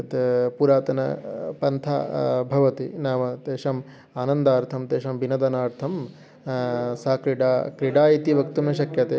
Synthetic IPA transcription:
t̪puɾaːt̪ɐnɐpɐnt̪ʰa̰ːbʱɐʋɐt̪inaːmɐt̪eːʂɐm | aːnɐnd̪aːɾt̪ʰɐmt̪eːʃɐmbinɐd̪ɐnaːɾt̪ʰɐm | saːkɾiɖaːkɾiɖaːit̪iʋɐkt̪umɐʃɐkjɐt̪eː

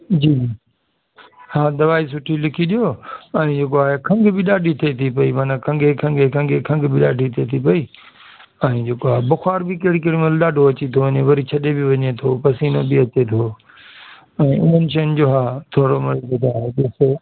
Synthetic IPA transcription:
d͡ʑiːiː | haːd̪ɐʋaːis̬ʊʈʰilɪkʰiɗijoːɛ̃ːd͡ʑeːkoaːɦekʰɐ̃ŋɡbʱɪɗaːɖʱit̪ʰet̪ʰipɐimaːnakʰɐ̃ŋɡʱekʰɐ̃ŋɡʱekʰɐ̃ŋɡʱekʰɐ̃ŋɡbɪɗaːɖʱit̪ʰet̪ʰipɐiː | ɛ̃ːd͡ʑeːkoaːɦebʊxaːɾbɪkɐɦɪɽikɐɽimɐlɗaːɖʱoɐt͡ɕit̪ʰoʋɐɲeʋɐɾit͡ɕʰɐɗebɪʋɐɲet̪ʰopɐsiːnobɪɐt͡ɕet̪ʰoː | ɛ̃ːʔʊ̰n̤ənɪ̆ʃɐənɪd͡ʑoːɦaːt̪ʰoːɽomɪɽokɐd̪aːɦeɗɪse

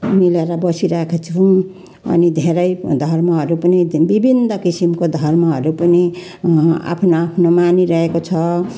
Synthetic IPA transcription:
mileɾʌbʌsiɾaekʰet͡sʰũ | ʌ̰nid̪ʱeɾʌjd̪ʱʌrmʌɦʌɾupʌnibibʱinːʌkisimkod̪ʱʌrmʌɦʌɾupʌni | a̰pʰnoapʰnomaniɾʌɦekot͡sʰʌ

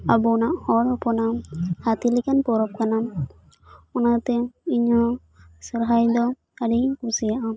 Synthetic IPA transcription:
abunaʔhɔɾɔpɔnahat̪ilikanpɔɾɔp̚kanam | ɔnat̪ɛiɲɔ | sɔɾɦajd̪ɔ | adikusijaʔam

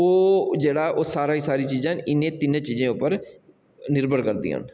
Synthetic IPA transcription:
oːd͡ʒeːɽaːʔoːsaːɾaːiːsaːɾiːt͡ʃiːzãːnɪnːẽːt̪ɪnẽːt͡ʃiːzẽːʊpːəɾ | nɪɾbəɾkəɾd̪ḭːa̰ːn

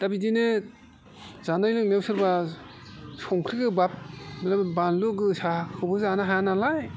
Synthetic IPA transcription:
d̥abidinɯ | zanajlɯk̚newsʰɯɾba | sɔŋkʰɾiɡɯbap̚mlabbanluɡɯsakʰɯbɯzanaɦajanalaj

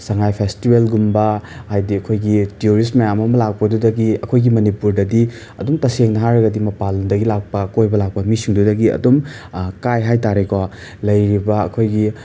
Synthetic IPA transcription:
sɐŋajpʰestibelɡumbɐhajdiɐkʰojɡitiuɾismɐjamɐmɐlak̚pɐdudɐɡiɐkʰojɡimɐnipuɾdɐdi | ɐ̰dumtɐseŋnɐɦaɾɐɡɐdimɐpalndɐɡilak̚pɐkojbɐlak̚pɐmisiŋdudɐɡiɐ̰domkajɦajtaɾeko | lɐjɾibɐɐ̰kʰojɡi

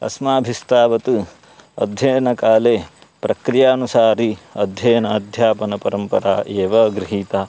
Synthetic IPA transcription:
ɐ̰smaːbʱist̪aːʋɐt̪u | ɐ̰d̪ʱjɐːnɐkaːleː | pɾɐkɾijaːɐnusaːɾiɐd̪ʱjɐːnɐːd̪ʱjaːpɐnɐpɐɾɐmpɐɾaːʔeːʋɐɡɾiɦiːt̪aː

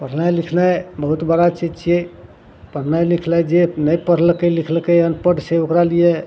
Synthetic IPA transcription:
pəɾ̤najlikʰnajbəɦut̪bəɽat͡ʃid͡ʒt͡ʃʰe | pəɽnajlikʰlajd͡ʒenəjpəɾ̤lkəlikʰlkəjənpəʈseokɾalije

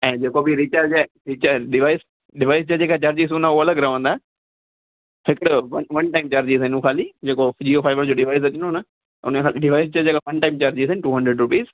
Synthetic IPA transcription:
ɛ̃ːd͡ʒeːkobʱiɾit͡ʃaɾd͡ʒɛɾit͡ʃaɖɪʋaːɪs | ɖɪʋaːɪst͡ʃad͡ʒeːkat͡ʃaɾd͡ʒiːs̬unaoɐləɡɾəʋə̃nd̪aːɦ | sɪkɽʋənʋɐnʈaːɪmt͡ʃaɾd͡ʑiːsə̃nũkʰaːlid͡ʒeːkod͡ʒiːoːpʰaːɪʋəɾd͡ʒoːɖɪʋaːɪs̬ɐt͡ʃɪnona | ʊ̰nẽkʰaːlɖɪʋaːɪst͡ʃad͡ʒeːkaʋɐnʈaːɪmt͡ʃaɾd͡ʒisənɪʈuːɦə̃ɳɖɾəɖɾʊpiːz

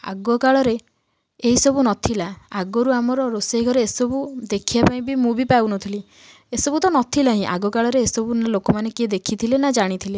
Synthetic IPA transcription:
a̰ɡɔkaɭɔɾe | eɦisɔbunɔt̪ʰilaaɡɔɾuamɔɾɔɾoseɡʱɔɾeːsɔbud̪ekʰiapaĩbimũbipauwnɔt̪ʰili | esɔbut̪ɔnɔt̪ʰilaɦĩʔa̰ɡɔkaɭɔɾeesɔbunalokɔmanekied̪ekʰit̪ʰilenad͡ʒaɽ̃it̪ʰile

